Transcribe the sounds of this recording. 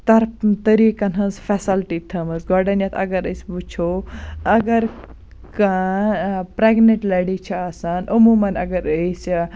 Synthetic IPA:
t̪ɐɾt̪ɐɾikɐnɦɐ̃nsfɛsɐlʈit̪ʰɐmɨsɡɔɖɐnjɐt̪ʰɐ̰ɡɐɾəsʲbut͡ʃʰoɐɡɐɾ | ka | pɾeɡneʈlɐɽit͡ʃʰɐaːsanəmumɐnɐɡɐɾəs

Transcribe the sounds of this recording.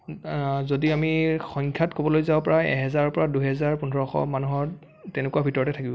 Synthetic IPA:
zodiamixɔŋkʰjatkʰobɔlojzãpɔɹajɛ̰ɦɛzaɹɔpɔɹaduɦɛzaɹpunɔɹɔxɔ̰manuɦɔɹ | tɛnɛkuabʱitɔɹɔtɛtʰakibɔ̃

